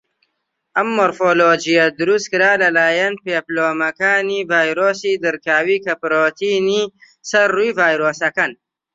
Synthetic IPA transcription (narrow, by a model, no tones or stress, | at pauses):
ʔɐmːoɾfoːloːd͡ʒijɐd̪ʊɾust̪kɨɾaːlɐlaːjɐnpeploːmɐkaːnivaːjɾoːsiːd̪ɨɾkaːwiːkɐpɾoːt̪ʰini | sɐɾːujvaːjɾoːsɐkan